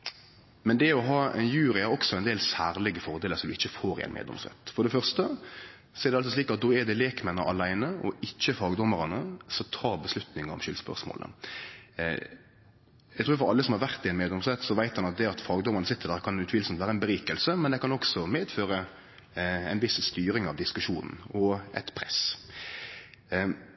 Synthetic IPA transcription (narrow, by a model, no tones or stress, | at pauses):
mɛnd̪ɛɔɦɑːɛ̰njʉːɾɪæɾɔksɔɛnd̪eːlsæːɾlɪɡəfɔɾd̪eːləɾsɔmd̪ʉɪçːəfoːɾɪ̰ɛ̰nmḛːd̪ɔ̰msɛ̰t̪ːfɔɾɖ̪ɛfœʁst̪ə | sɔɛɾd̪ɛɑlsɔsliːkɑt̪̚d̪oːɛd̪ɛleːkmɛnːə̰ʔɑlæɪnəʔɔɪçːəfɑːɡd̪ɔmːəɾɑnəsɔt̪ʰɑːɾbəslʉt̪nɪŋəɔ̰mʃʏlspœ̰ʁʂmo̰ːlʔə̰ | jæɡt̪ʰuːɾfɔɾɑ̰lːəsɔmhɑʁʋæʁt̪ɪɛɪnmeːd̪ɔmsʁɛt̪ːsɔʋæɪt̪hɑnɑt̪̚d̪ɛɑt̪fɑːɡd̪ɔmːəʁnəsɪt̪ːəɾd̪æːɾkʰɑnʉt̪ʋiːlsɔmt̪ʋæːɾəɛnbəɾiːkəlsəmɛnd̪ɛkɑnɔksɔmeːd̪føːɾə | ɛ̰ɪnʋɪsst̪yːɾɪŋɑʋd̪ɪskʉʂuːnn̩ɔɛ̰t̪pʰɾɛs